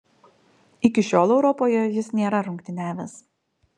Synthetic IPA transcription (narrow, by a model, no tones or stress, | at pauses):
ɪkʲɪʃʲoːlˠɛʊɾɔpoːjɛjɪsnʲeːɾɐɾʊŋkt̪ʲɪnʲæːʋʲɛs